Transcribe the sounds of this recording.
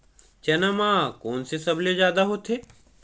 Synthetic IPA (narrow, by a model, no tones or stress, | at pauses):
t͡ʃɐnɐmãːkoːnsesɐblezjaːd̪aɦoːt̪ʰeː